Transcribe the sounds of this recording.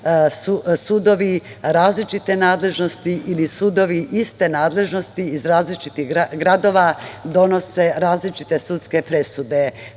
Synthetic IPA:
susud̪o̞ʋiɾaːzlit͡ʃit̪e̞naːd̪le̞ʒno̞st̪iʔilisud̪o̞ʋiʔist̪e̞naːd̪le̞ʒno̞st̪iizɾaːzlit͡ʃit̪iɣɡɡɾad̪o̞ːʋad̪o̞no̞se̞ɾaːzlit͡ʃit̪e̞sut̪ske̞pɾe̞sud̪e̞

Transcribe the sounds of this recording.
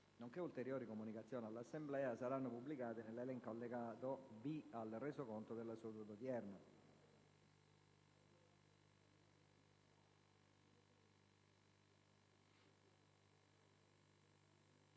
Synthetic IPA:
noŋkeult̪eɾjoːɾikomunikat̪sːjɔːnialːasːemblɛːasaɾanːopubːlikaːt̪ɪnelːelɛŋkalːeɡaːt̪obialrɛːsokont̪od̪elːasut̪ud̪ot̪jɛrna

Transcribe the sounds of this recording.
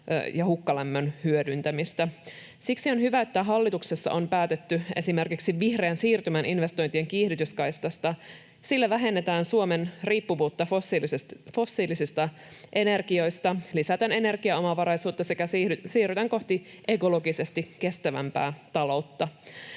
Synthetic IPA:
jɑhukːɑlæmːønhyødynt̪æmist̪æ | siksio̞nhyʋæe̞t̪ːæɦɑlːit̪uksesːɑ̰ʔo̞mpæːt̪et̪ːyʔe̞sime̞rkiksiʋihreːnsiːrt̪ymæninʋe̞st̪o̞jnt̪ieŋkiːhdyt̪yskɑjst̪ɑst̪ɑ | silːæʋæɦe̞nːet̪æːnsuomenriːpːuʋuːt̪ːɑfo | fo̞sːiːlisist̪ɑ | ʔe̞ne̞rkio̞jst̪ɑlisæt̪øne̞ne̞rɡ̥iɑo̞mɑʋɑɾɑjsuːt̪ːɑsekæsysiːryt̪æŋko̞ht̪i | ʔe̞ko̞lo̞ɡise̞st̪ike̞st̪æʋæmpæ̰ːt̪ɑlo̞wt̪ːɑ

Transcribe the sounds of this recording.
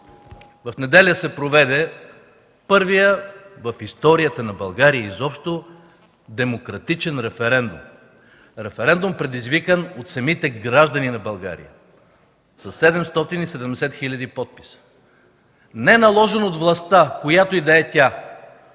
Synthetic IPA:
vɐfnɛd̪ɛlʲəsɛpɾovɛd̪ɛ | pɤɾvijəvɐfist̪ɔɾiət̪ənɐbɐlˠɡaɾijəizɔpʃt̪o | d̪ɛmokɾɐt̪it͡ʃɛnɾɛfɛɾɛnd̪ṵm | ɾɛfɛɾɛnd̪umpɾɛd̪izvikənot̪sɐmit̪ɛɡɾaʒd̪ɐninɐbɐlˠɡa̰ɾḭjə̰ | sɐsːɛd̪ɛmst̪ɔt̪inisɛd̪ɛmd̪ɛsɛt̪xilʲɐd̪ipɔt̪̚pi̥sə̥ | nɛɛnɐlˠɔʒɛnot̪vlˠɐst̪akojat̪oid̪ɐɛt̪ʲa

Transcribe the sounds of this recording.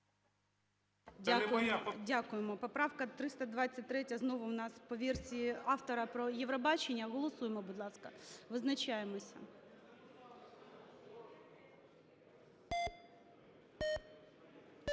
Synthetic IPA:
dʲaʊdʲakʊjemɔpɔpɾɑwkɐt̪ɾɪst̪ɐd̪ʋɑt͡sʲːɐt̚ʲt̪ːɾɛtʲɐznɔʋʊwnɑspɔʋʲirsʲiɑft̪ɔɾɐpɾɔjeʋɾɔbɑt͡ʃenʲːɐɣɔlˠɔsujemɔbud̪lˠɑskɐʋɪznɐt͡ʃajemɔsʲɐ̰

